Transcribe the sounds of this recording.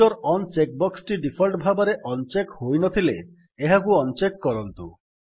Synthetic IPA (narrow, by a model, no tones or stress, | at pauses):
ɔɾɔnt͡ʃek̚bɔksʈiɖipʰɔlʈbʱabaɾeʔɔnt͡ʃekhojnɔt̪ʰile | eɦakuɔnt͡ʃekːɔɾɔnt̪u